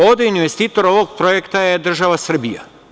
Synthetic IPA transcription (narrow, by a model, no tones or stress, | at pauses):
o̞d̪einʋest̪iːt̪o̞ɾo̞ʋoɡ̚pɾojekt̪ajed̪r̩ʒaʋasr̩bija̰